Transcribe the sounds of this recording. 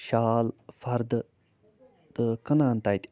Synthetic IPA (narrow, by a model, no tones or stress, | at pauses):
ʃaːlfɐɾd̪ | t̪əkɐnaːnt̪ajt̪ʲ